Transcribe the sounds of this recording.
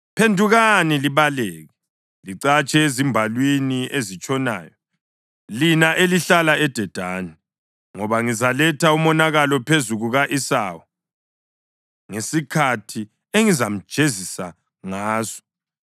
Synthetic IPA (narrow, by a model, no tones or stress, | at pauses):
pʰendʱuɣaniliβaleːɣɛ | liǀat͡ʃʼɛezimbʱalwiniezit͡ʃʼɔna̰ːjɔ | linaʔeliɬalaɛd̥ʱɛd̥ʱaːni | ŋɔβaŋizalɛtʰaumɔnaɣalɔpʰezuɣuɣaʔisa̰ːwɔ | ŋesikʰatʰi | eŋizam̩̥ʒ̥ʱezisa̰ | ŋaːzɔ̥